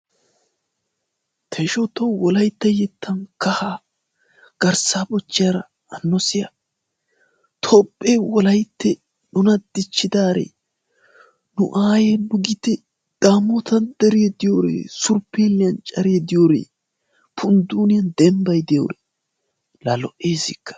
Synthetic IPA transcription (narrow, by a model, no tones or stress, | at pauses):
t̪ʰɛʃɔt̪owwɔlɐjt̪ːɐjɛt̪ːɐnkɐhaː | ɡ̥ɐɾsaːbɔt͡ʃːɪjɐɾɐ | ɐnːɔsɪjɐ | t̪ʰopʼːewɔlɐjt̪ːɛ | nʊnɐd̪̥ɪt͡ʃːɪd̪aːɾḛ | nʊ̰ʔaːjɛbʊɡɪt̪ɛ | d̪̥aːmːot̪ɐnd̪ɛɾɪjɛd̪ɪjoːɾḛːsʊɾpːeːlːɪɐnt͡ʃʼɐɾɪjɛd̪ɪjoɾḛː | pʰʊnd̪uːnɪjɐnd̪ɛmbɐjd̪ɪjo̰ːɾḛ | lɐlɔʔeːsɪkːɐ̥